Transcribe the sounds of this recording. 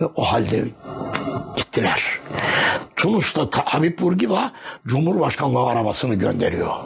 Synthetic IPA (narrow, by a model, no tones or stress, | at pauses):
ɛʔohalʲd̪ɛ | ɟ̥it̪ʰːilʲæɾ̥ | t̪ʰunust̪at̪ʰaʔːbipbuɾɟivad͡ʒumhuɾbaʃkʰanlˠaɯaɾabasɯnɯɟø̰nd̪eɾijo